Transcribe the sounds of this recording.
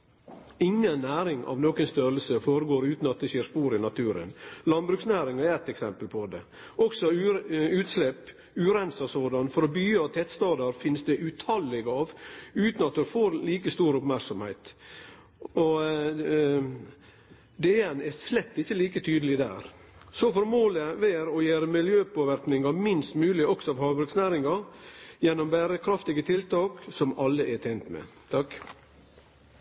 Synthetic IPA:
ɪŋːənːæːɾɪŋʔɑ̰ʋnoːkənst̪œɾəlsəfoːɾəɡoːɾʉːt̪n̩ɑt̪̚d̪ɛɕeːɾspuːɾɪnɑt̪ʰʉːɾə̰nlɑnbɾʉksnæːɾɪŋɛɛt̪ːɛksɛmpəlpʰɔd̪ɛ̰ | ʔɔksɔʉʉːt̪slɛpː | ʉːɾɛnsɑsoːd̪ɑnfɔɾɔbyːɑʋt̪ʰɛt̪st̪ɑːd̪ɑɾfɪnːsd̪ɛʔʉt̪ʰɑlːɛɡɑːʋʉːt̪nɑt̪̚d̪ɛfoːɾliːkəst̪uːɾʊpmæɾksɔmhæɪt̪ | ɔ | d̪eːɛnɛslɛt̪ːɪçːəliːkət̪ʰyːd̪əlɪd̪æ̰ːɾ | sɔfɔɾmoːləʋeːɾɔjeːɾəmɪljøːpoːʋæɾknɪŋɑmɪnst̪mʉːlɪʔɔksɔɑʋhɑːbɾʉksnæːɾɪŋɑjɛnːɔmbæːɾəkʰɾɑft̪ɪɡət̪ʰɪlt̪ɑːksɔmɑlːəʔɛt̪ʰæɪnt̪mɛ̰t̪ʰɑk

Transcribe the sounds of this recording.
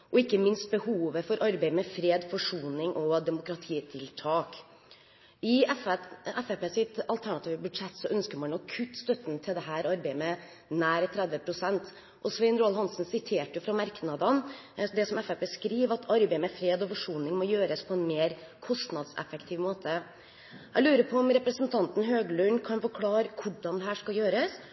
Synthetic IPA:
ʔɔɪkːəmɪnst̪̚bəhuːʋəfɔɾʔɑɾbæɪmɛfɾeːd̪fɔʂuːnɪŋʔɔd̪ɛmʊkɾɑt̪ʰiːt̪ʰɪlt̪ʰɑːk | ɪɛfɛɛfɛpeːsɪt̪ɑlt̪ʰæɳɑt̪ʰiːʋəbʉd̪ʂɛt̪ːsɔʔœnskəɾmɑnɔkʰʉt̪ːst̪œt̪ːənt̪ʰɪld̪ɛɦæːɾɑɾbeɪmɛ | næːɾət̪ʰɾɛd̪ʋəpʰɾʊsɛnt̪ | ʔɔsʋɛɪnɾoːɑlhɑnsnsɪt̪ʰeːʈəjʊfɾɑmɑɾknɑd̪ən | d̪ɛsɔmɛfɛpeːskɾiːʋɑt̪ʰɑɾbæɪmɛfɾeːd̪ɔfɔʂuːnɪŋmɔjøːɾəspʰɔɛnmeːɾkʰɔst̪nɑd̪sɛ̰fɛkt̪ʰiːʋmoːt̪ʰə | æɪlʉːɾəpʰɔɔmɾɛpɾəsənt̪ʰɑnt̪n̩ɦøːɡəlʉnkʰɑnfɔɾkʰlɑːɾəkʰʊɖɑnd̪ɛɦæːʂkɑljøːɾəs

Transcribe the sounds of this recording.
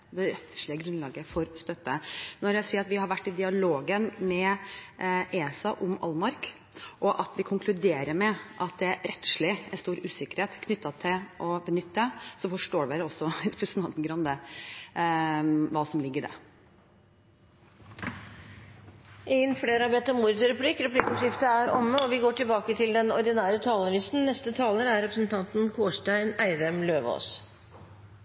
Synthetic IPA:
d̪ɛɾɛt̪ʂɭɪəɡɾʉnlɑːɡəfɔɾst̪œt̪ːənɔɾjæsiːɾɑt̪ʋɪhɑɾʋæʈːɪd̪ɪɑloːɡənmɛ | ʔeːsɑʔʊmɑ̰lmɑɾk | ʔɔʔɑt̪ʋɪkʰʊŋkʰlʉd̪eːɾəɾmɛʔɑt̪̚d̪ɛæɾɛt̪ːʂɭɪæɾst̪uːɾʉːsɪkəɾheːt̪kʰnʏt̪ːɑt̪ʰɪlʔɔbənʏt̪ːəsɔfɔʂʈoːɖʋeɾɔsːɔɾɛpɾɛsənɑnt̪nɡɾɑnd̪ə | ʋɑːsɔmlɪɡːəɖæ̰ | ɛənfɽeːɾɑbɛt̪ːɔmuːɾəd̪sɾɛpliːkɾɛpliːkɔʂɪft̪əæɾɔ̰mːəɔʋɪɡoːʈʰɪlbɑːkət̪ʰɪld̪ɛnɔɾɖ̪ɪnæːɾət̪ʰɑːlənɪsn̩nɛst̪ət̪ʰɑːləɾæɾɛpɾəsnt̪ʰɑnt̪nkʰoːʂʈæɪnæɪd̪ɛmløːʋo̰ːs

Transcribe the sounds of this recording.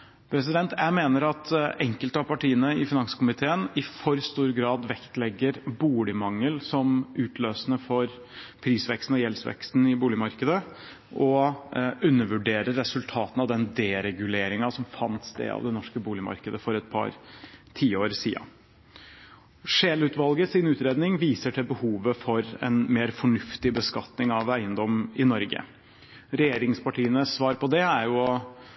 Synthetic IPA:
pʰɾɛsɪd̪ɛnt̪ʰæɪmeːnəɾɑt̪ɛŋkəlt̪ɑpɑʈʰiːənəɪfɪnɑŋsə̥kʊmɪt̪ʰeːənɪfɔɾst̪uːɾɡɾɑːd̪ʋɛkt̪lɛɡːəɾbuːlɪmɑŋːəlsɔmʉːt̪ʰløːsnəfɔɾ | pʰɾiːsʋɛkst̪n̩ɔjɛlsʋɛ̰kst̪nɪbuːlɪmɑɾkəd̪ə | ʔɔ | ʉnːəʋʉɖeːɾəɾːɛsʉlt̪ʰɑːt̪nɑʋd̪ɛnd̪eːɾɛɡʉleːɾɪŋɑsɔmfɑnt̪sd̪ḛːɑ̰ʋd̪ɛnɔʂkəbuːlɪmɑ̰ɾkəd̪əfɔɾɛt̪̚pʰɑ̰ɾt̪ʰiːəoːɾsiːɑ̰ | ʂeːlʉːt̪ʋɑlɡəsɪnʉːt̪ɾeːd̪nɪŋʋiːsəʈʰɪlbəhuːʋəfɔɾɛ̰nmeːɾfɔɳʉft̪ɪbəskɑt̪nɪŋɑʋæɪənd̪ɔmɪnɔɾɡə̰ | ɾɛjeːɾɪŋspʰɑʈiːənəsʋɑːɾpɔd̪ɛæɾjʊ

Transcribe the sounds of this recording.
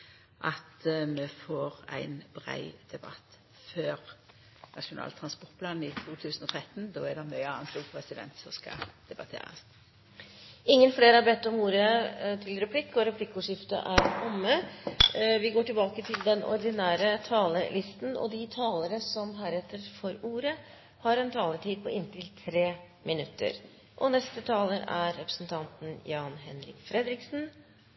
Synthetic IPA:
ʔɑt̪mɛfoːʁæ̰ɪnbʁæ̰ɪd̪̥ɛbɑ̰t̪ː | føːʁ | nɑʂʊnɑ̰ːlt̪ʰʁɑnspɔʁʈ̚pʰlɑːnɪt̪ʰuːt̪ʰʉːsnɔt̪ʰɾɛt̪ːnd̪oːæɖɛmœʏɑːnt̪ʰuɡpʰɾɛsɪd̪ɛ̰nt̪sɔmskɑ̰d̪̥ɛbɑt̪ʰḛːɾɑ̰s | ɪŋːənfleːɾəæbɛt̪ːɔmuːɾət̪ʰɪlɾɛpʰlɪkːɔɾɛpʰlɪkːəʊːʂɪft̪ə̰ʔæɾkɔmːə | ʋɪɡoːʈɪlbɑːkət̪ʰɪld̪ɛnɔ̰ɾd̪ɪnæːɾət̪ʰɑːləlɪst̪nɔ̰d̪ɪt̪ʰɑːləɾəsɔmɦæːɾɛt̪ːəɾfɔɾuːɾə | hɑɾɛnt̪ʰɑːləʈʰiːd̪̚pʰɔʔɪnːt̪ɪlt̪ʰɾeː | mɪnʉt̪ːə̰ɾ | ʔɔnɛst̪ət̪ʰɑːləɾæ̰ɾːɛpɾəsnt̪ʰɑnt̪n̩jɑːnɦɛnɾɪkfɾɛd̪ɾɪksn̩

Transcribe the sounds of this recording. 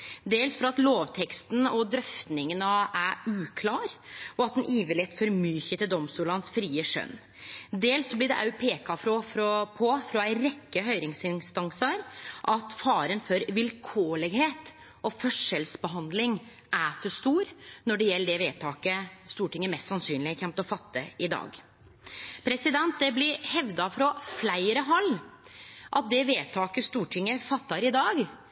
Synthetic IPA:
d̪eːlsfɔɾɑt̪loːʋt̪ʰɛkst̪n̩ɔd̪ɾœft̪nɪŋənəæʉːkʰlɑːɾɔɑt̪d̪ɛnʔiːʋəlɛt̪ːfɔɾmyːçət̪ɪld̪ɔmst̪uːlɑnsfɾiːəʂœ̰nː | d̪eːlsːɔblɪɖ̪ɛ̰ʔɑʉpʰeːkɑfɾɔfɾɔpʰɔfɾɔæɪɾɛkːəɦœʏɾɪŋsɪnst̪ɑŋsəɾʔɑt̪fɑːɾənfɔɾʋɪlkʰoːlɛɡheːt̪ | ɔfœʂəlsbəɦɑnd̪lɪŋ | æfɔʂt̪uːɾnɔɖɛjɛlːəɖɛʋeːt̪ʰɑːkəst̪uːʈɪŋːəmɛst̪sɑnsyːnlɪəçʰɛmt̪ɔfɑt̪ːə̰ɪd̪ɑ̰ːɡ | pʰɾɛsɪd̪ɛnt̪̚d̪ɛblɪɾhɛʋd̪ɑfɾɔflæɪɾəɦɑlː | ʔɑt̪̚d̪ɛʋeːt̪ʰɑːkəst̪uːʈʰɪŋːəfɑt̪ːɑɾɪd̪ɑːɡ

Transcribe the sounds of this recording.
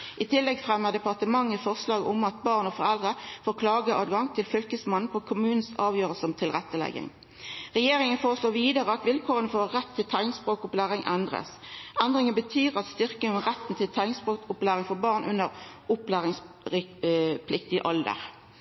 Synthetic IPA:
ʔɪt̪ʰɪlːɛɡfʁɛmːəʁd̪ɛpɑʁt̪əmɑŋːəfɔʁslɑːɡəʔʊmɑt̪̚bɑːʁnɔfɔʁɛld̪ʁəfoːʁkʰlɑːɡəʔɑːd̪ɡɑŋt̪ʰɪlfʏlkəsmɑnn̩pʰɔkʰʊmʉːnn̩sɑːʋjøːʁəlsəɔmt̪ʰɪlʁɛt̪ːəlɛ̰ɡɪ̰ŋ | ʁɛjeːʁɪŋənfoːʁəsloːʋiːd̪əʁəɑt̪ʋɪlkʰoːʁənəfoʁːɛt̪ʰːɪlt̪ʰæɪnɪŋspʁoːkʊplæːʁɪŋʔɛnd̪ʁə̰sʔɛnd̪ʁɪŋənbət̪ʰyːʁɑt̪st̪ʏʁkɪŋɔʁɛt̪ːn̩t̪ʰɪlt̪ʰæɪnɪŋspoːkʊplæːʁɪŋfɔbɑːʁnʔʉnːəʁʊplæːʁɪŋs | ɪpʰlɪkt̪ɪə̰ʔɔld̪ə̰ʁ

